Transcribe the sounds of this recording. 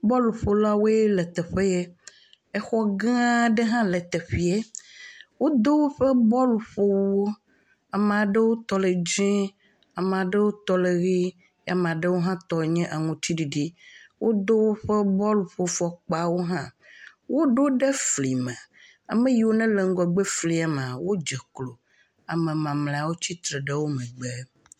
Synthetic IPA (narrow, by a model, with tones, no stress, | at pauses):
bɔ˦lu˨ɸo˨la˦wo˦e˦le˨t̪e˨ɸe˦je˦ | e˦xɔ˦ɡã˦a˦ɖe˦ɦã˦le˨t̪e˨ɸi˨e˦ | wo˦d̪o˦wo˦ɸe˦bɔ˦lɸo˦wo˦ | a˨mẽ˨a˨ɖe˦wo˦t̪ɔ˨le˨d͡ʒɛ̃˦ | a˨m˨a˨ɖe˦wo˦t̪ɔ˨le˨ɣi˦ | a̰˨m̃˨a˨ɖe˦wo˦ɦã˦t̪ɔ˨ɲɛ̃˦ʔa˨ŋũ˨t̪ʰi˦ɖi˨ɖi˦wʔo˦d̪o˦wo˦ɸe˦bɔ˦lu˨ɸo˨fɔ˨k͡pa˨wo˦ɦã˦ | wo˦ɖo˦ɖe˦fli˨mɛ̃˨ | a̰˨mẽ˦ji˨wo˦nɛ̃˦le˨ŋ̩˦ɡɔ˨ɡ͡be˦fli˨a˨m˨a˨wo˦d͡ʒɛ˨klo˨ | a˨mẽ˨mã˨mlẽ˨a˨wo˦t͡ɕi˦t̪ɾe˨ɖe˦wo˦mɛ̃˨ɡ͡be˦